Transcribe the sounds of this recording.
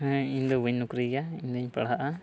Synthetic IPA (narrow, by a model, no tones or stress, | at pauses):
iɲd̪ɔbuɲnukɾiɡaiɲd̪uɲpa̰ɽaʔa